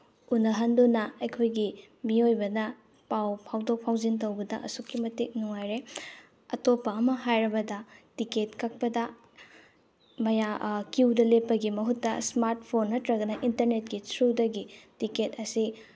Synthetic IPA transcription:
unɐɦɐndunɐɐjkʰojɡi | miojbɐnɐ | pawpʰawdok̚pʰawzint̬ɐwbɐdɐʔɐ̰sukːimɐtik̚nuŋajɾe | ɐtopːɐɐmɐɦajɾɐbɐdɐtiketkɐk̚pɐdɐ | mɐjakiwdɐlepːɐɡimɐɦutːɐ̰smaɾt̚pʰonːɐtɾɐɡɐnɐʔintɐɾnet̚kisʰɾudɐɡitiketɐsi

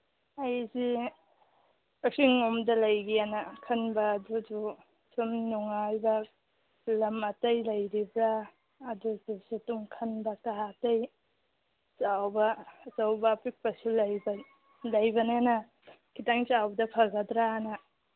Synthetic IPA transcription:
ajzi | ɐsiŋomdɐlɐjɡianɐkʰɐnbɐːdud͡ʒu | sumnuŋajbɐ | lɐmɐtɐjlɐjɾibɾaː | dud͡ʒusitumkʰɐnbɐkaɦatɐj | t͡ʃawbɐsawbapik̚pɐsuljb | lɐjbɐnenɐ | kʰitaŋt͡ʃawbɐdɐpʰɐɡɐdɾanɐ

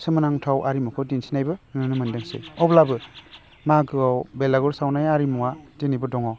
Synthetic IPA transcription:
sɯmanaŋtʰawʔaɾimukʰɔwdinsinajbɯnnɯnɯmɯndɯŋsḛɔblabɯ | maɡɯawbelaɡɔɾsawnajaɾimuwatenibɯdɔŋaw

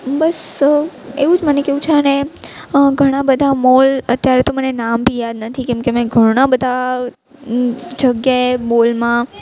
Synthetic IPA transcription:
bəs | eʋud͡ʒmənekeʋũt͡ʃʰeəne | ɡʱəɽ̃ãbəd̪ʱamolət̪jaɾet̪omənenambʱijad̪nət̪ʰikɛ̃mkemãɡʱəɽ̃ãbəd̪ʱa | d͡ʒəɡjaemolmã

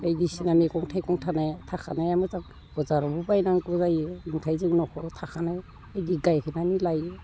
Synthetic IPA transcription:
ejdisinamekɔŋtʰajkɔŋtʰanajtʰakʰanajamɯzaŋ | b̥ɔzaɾɔbubajnaŋkɔzajeniŋtʰajzɯŋnɔkʰɔtʰakʰanaj | ejdiɡajkʰɯnanilaje

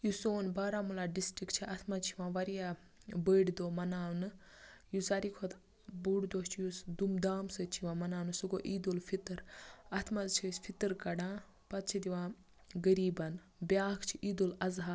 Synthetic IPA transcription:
jusoːnbaːɾaːmulaːɖisʈɾikt͡ʃʰiʔɐt̪ʰmɐt͡ʃʰiʋãːʋɐɾija | bəɖd̪oːmɐnaːwnɨ | jusɐɾikʰot̪ | buɽd̪oːst͡ʃʰijusd̪umd̪aːmsət͡ʃʰiʋãːmɐnaːwnɨsuɡoːʔiːd̪olfʰit̪ɨɾɐt̪ʰmɐzt͡ʃʰisʲpʰit̪ɨɾkɐɽãː | pɐt̪̚t͡ʃʰid̪iʋãː | ɡəɾiːbɐn | bjaːkʰt͡ʃʰiʔiːd̪olɐzɦa

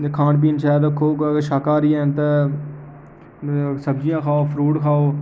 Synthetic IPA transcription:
kʰãːɳp̬iːnʃaːd̪okʰoːɡaɡəɾʃaːkaːɾiːɛ̃ːnt̪e | səbd͡ʒɪjãːkʰaːoːpʰɾuːʈkʰaːoː

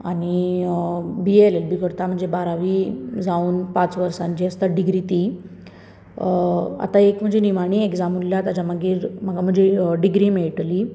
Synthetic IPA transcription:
aɽ̃i | bielelbʱikəɾt̪am̤əɳd͡zebaɾaʋiːd͡zauːnpat͡sʋəɾsãɲt͡ɕiːəst̪aɖiɡɾit̪iː | a̰t̪aekm̤əɳd͡zeniʋaɽ̃ieɡd͡zamulːjat̪ad͡ʑaməɡiːɾm̤əɡam̤əɳd͡ʑeɖiɡɾimeɭʈli

